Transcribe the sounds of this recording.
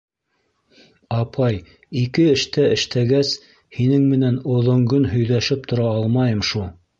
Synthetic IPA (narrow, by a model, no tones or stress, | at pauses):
ɑpʰɑj | ikɘɘ̆ʃt̪æʔɘ̆ʃt̪ʰæɡæs | hinɘŋmɘ̆nænŏðŏŋɡɤnɦɵ̆jðæʃɘp̚t̪ʰŏɾɑɑlˠmɑjɤmʃulˠ